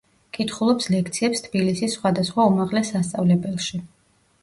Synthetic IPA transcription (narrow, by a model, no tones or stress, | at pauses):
kʼit̪ʰχulˠɔpslɛk̚ʰt̪sʰiɛpst̪ʰbilisisːχwad̪asχwaumaʁlɛsast̪sʼavlɛbɛlˠʃi